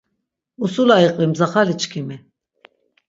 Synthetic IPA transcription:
usulaiqʼvimzaχalit͡ʃʰʼkʰimi

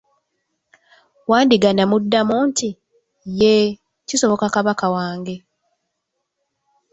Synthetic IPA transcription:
waːndiɡanamudːamuːntʰi | je | ciso̞βo̞kakaβakawaːŋɡe̞

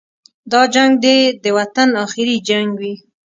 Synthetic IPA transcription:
d̪ɑd͡ʒaŋɡ̚d̪ed̪əwat̪anɑxɪɾid͡ʒaŋɡwi

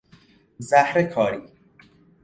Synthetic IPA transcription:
zæhɾekʰɒːɾiː

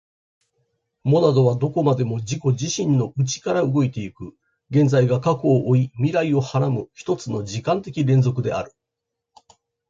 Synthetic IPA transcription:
mo̞nad̪o̞β̞ad̪o̞ko̞mad̪e̞mo̞d͡ʑiko̞ʑiɕĩnːo̞ʔɯ̟t͡ɕi̥kaɾaɯ̟ɡo̞it̪e̞ikɯ̟ | ɡẽ̞nd͡zaiɡakako̞ːʔːimʲiɾaio̞haɾamɯ̟çi̥t̪o̞t͡sɨno̞ʑikãnt̪e̞kʲiɾẽ̞nd͡zo̞kɯ̟d̪e̞̰a̰ɾɯ̟̥

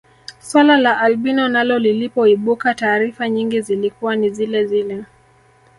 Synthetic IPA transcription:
swalalaʔalɓinɔnalɔlilipɔiɓukataːɾifaɲiŋɡizilikuwanizilɛzilɛ

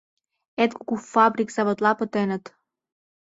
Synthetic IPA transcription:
et̪̚ku̥kufɑbɾikz̥ɑβot̪lˠɑpə̆t̪enə̆t̪

